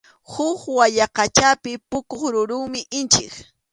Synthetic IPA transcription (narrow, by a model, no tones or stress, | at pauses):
hʊχwaʎaqɑt͡ʃapɪpʊkoχɾʊɾʊŋmɪʔɪnt͡ʃɪk